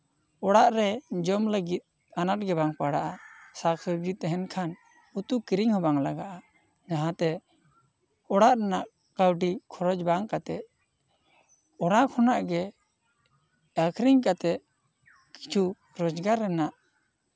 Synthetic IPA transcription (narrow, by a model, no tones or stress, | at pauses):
ɔɽaʔɾɛd͡ʒɔmləɡit̪̚ | anaʈ̚ɡɛbaŋpaɽaʔasakʰsibd͡ʒit̪ɛɦɛnkʰan | ut̪ukiɾiŋhɔbaŋlaɡaʔa | d͡ʒaɦãt̪ɛ | ɔɽaʔɾɛnaʔ | kawɖikʰɔɾɔd͡ʒbaŋkat̪ɛt | ɔɽakʰɔnaʔɡɛ | akʰɾiŋkat̪ɛʔ | ki̥t͡ʃʰu | ɾɔd͡ʒɡaɾːɛnaʔ